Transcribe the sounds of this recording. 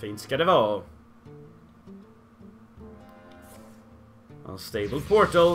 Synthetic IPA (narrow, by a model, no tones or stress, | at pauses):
ĩnskad̪ɛvɑː | ə̰̃nst̪eɪbəl̩ˠpʰɔɹtəlˠ